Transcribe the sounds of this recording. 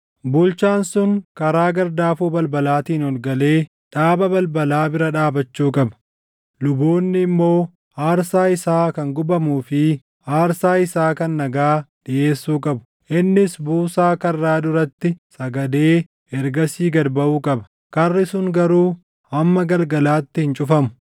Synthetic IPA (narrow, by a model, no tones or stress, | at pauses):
bʊlt͡ʃaːnsʊŋkɐɾaːɡɐɾd̪aːfuːbɐlbɐlaːt̪iːnɔlɡɐle̞ː | ᶑaːbɐbɐlbɐlaːbɪɾɐᶑaːbɐt͡ʃːuːkʼɐbɐ̥ | lʊboːnːɪːmːo̞ː | aːɾsaːɪsaːkɐŋɡʊbɐmuːfɪ | aːɾsaːɪsaːkɐnːɐɡaːᶑɪʔe̞ːsːuːkʼɐbʊ̥ | ʔɪnːɪsbuːsaːkɐrːaːd̪ʊɾɐt̪ːɪsɐɡɐd̪e̞ː | ʔɛɾɡɐsiːɡɐɾbɐʔuːkʼɐbɐ̥ | kɐrːɪsʊŋɡɐɾuː | ʔɐmːɐɡɐlɡɐlaːt̪ːɪhɪnt͡ʃʼʊfɐmʊ̥